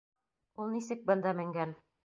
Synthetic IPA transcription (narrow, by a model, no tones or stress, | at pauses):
ulˠnisɘk̚bɤ̆nd̪ɑmɘ̆ŋɡæn